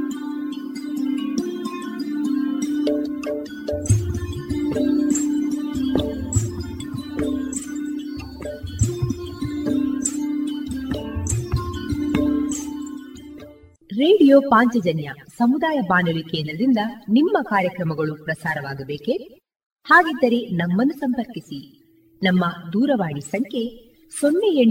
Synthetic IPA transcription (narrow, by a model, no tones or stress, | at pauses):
ɾeːɽijoːpaːɲt͡ʃɐd͡ʒɐnjɐsɐmud̪aːjɐbaːnɐʋikɛːɐnɾɐd̪ind̪ɐnimːɐkaːɾjɐkɾɐmɐɡɐɭupɾɐsaːɾɐʋaːɡɐbeːke | haːɡid̪ːɐɾe̞nɐmːɐnːusɐmpɐɾkisi | nɐmːɐd̪uːɾɐʋaːɳisɐŋkʰe | sonːeje